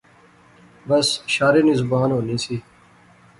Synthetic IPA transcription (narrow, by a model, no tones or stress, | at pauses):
bəsʃaːɾiːnɪzbaːnɦoːniːsiː